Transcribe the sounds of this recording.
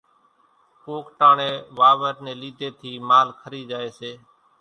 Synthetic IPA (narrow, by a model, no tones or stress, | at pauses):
koːkʈaːɳẽːʋaːʋəɾnẽːliːd̪ʱeːt̪ʰiːmaːlkʰəɾiːd͡ʒaːeːseː